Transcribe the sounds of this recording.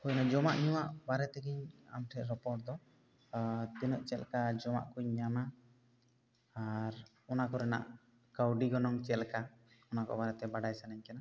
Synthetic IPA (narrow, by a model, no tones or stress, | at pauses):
kujnad͡ʒɔmaʔɲuwaʔbaɾɛt̪ɛɡiɲa̰mʈʰɛʔɾɔpɔʈ̚d̪ɔ | t̪ɛnɔʔt͡ʃɛlkad͡ʒɔma̰ʔkuɲːana | aɾ | ɔnakɔɾɛna̰ʔ | kawɖiɡɔnɔŋt͡ʃɛlka | ɔnakɔ̰baɾɛt̪ɛbaɖajsɛnaɲkana